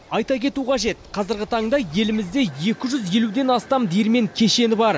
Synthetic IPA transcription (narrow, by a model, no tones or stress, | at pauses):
ɑjt̪ɑkʲʰe̞t̪uqʰɑʒe̞t̪̚qʰɑzɪɾɡʲɪt̪ʰɑɴd̪ɑje̞lɪmɪz̪d̪e̞je̞kʲɪʒʏzje̞lud̪e̞nɑst̪ɑmd̪eɾme̞ŋkʲʰe̞ʃe̞nɪbɑɾ